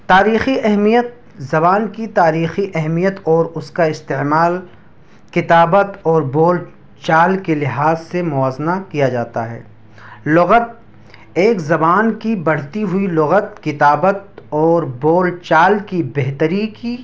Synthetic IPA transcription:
t̪aːɾiːxiʔɛɦmijət̪̚ | zɐbaːnkit̪aːɾiːxiʔɛɦmijət̪ɔːɾʊskaɪst̪eːmaːl | kɪt̪aːbət̪ɔːɾboːl | t͡ʃaːlkelɪɦaːzsemʊaːznakijad͡ʒaːt̪aɦɛ̰ː | lʊɣət̪̚ | eːkzɐbaːnkibɐɽ̤t̪iɦʊilʊɣət̪kɪt̪aːbət̪ɔːɾboːlt͡ʃaːlkibeɦt̪əɾiki

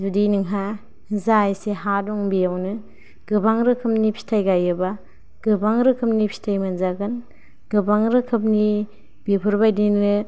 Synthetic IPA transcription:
zudinɯŋɦa | zajseɦadɔŋbijawnɯ | ɡ̥ɯbaŋɾɯkʰɯp̚nipʰi̥tʰajɡajɯba | ɡ̥ɯbaŋɾɯkʰɯp̚nipʰi̥tʰajmanzaɡɯn | ɡ̥ɯbaŋɾɯkʰɯp̚ni | b̥ipʰɯɾbajdinɯ

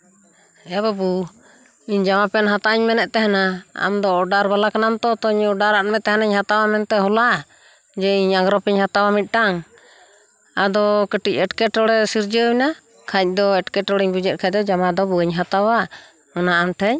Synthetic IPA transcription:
ɛababu | iɲd͡ʒamapɛnɦat̪aʔiɲmɛnɛʔt̪ɛɦɛnaa̰md̪ɔːɖaɾbalakanamt̪ɔt̪ɔɲɔɖaɾaʔmɛt̪ɛɦɛnaɲhat̪awamɛnt̪ɛɦɔlaʔ | d͡ʒɛiɲaŋɡɾɔpɛɲhat̪awamit̪̚ˀʈaŋ | ad̪ɔkəʈic̚ɛʈkɛʈɔɽɛsiɾd͡ʒəna | kʰac̚ˀd̪ɔɛʈkɛʈɔɽɛɲbud͡ʒɛʔ̪̚kʰac̚ˀd̪ɔd͡ʒamad̪ɔbuəɲɦat̪awa | ɔnaːmʈʰɛɲ

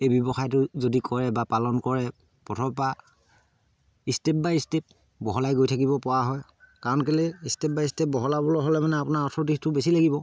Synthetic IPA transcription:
ejbjɔbɔxajtʊzodikɔɹɛbapalɔnkɔɹɛ | pɔtʰɔpa | istep̚baistep̚ | bɔɦɔlajɡojtʰakibɔpɔwaɦɔj | kaɹɔnkalɛistep̚baistep̚bɔɦɔlabɔlɔɦɔlɛmanɛapʊnaɔtʰɔɹtitʊbesilaɡibɔ

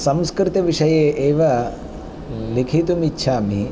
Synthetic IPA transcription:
sɐmskɾit̪ɐʋiʂɐjeːʔeːʋɐ | likʰit̪umitːʃʰaːmi

